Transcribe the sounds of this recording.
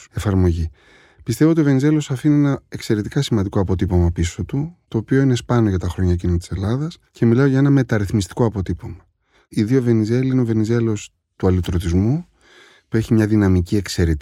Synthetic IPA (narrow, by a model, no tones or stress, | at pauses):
e̞fɐɾmo̞ʝi | pist̪e̞voot̪iove̞nize̞lo̞sɐfinienɐe̞kse̞ɾe̞t̪ikɐsimɐnd̪iko̞ɐpo̞t̪ipo̞mɐpiso̞t̪ut̪o̞ːpio̞ine̞spɐno̞ʝɐt̪ɐxɾo̞ɲɐcinot̪i̥selɐðɐsce̞milɐoʝɐe̞nɐme̞t̪ɐɾiθmist̪i̥ko̞ɐpo̞t̪ipo̞mɐ | iðio̞ve̞nize̞liineove̞nize̞lo̞s | t̪uɐlit̪ɾot̪izmu | pue̞çimɲɐðinɐmicie̞kse̞ɾit̪